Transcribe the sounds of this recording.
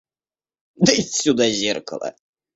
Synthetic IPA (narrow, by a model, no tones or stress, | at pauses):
d̪əisʲːud̪azʲerkə̰lˠə̰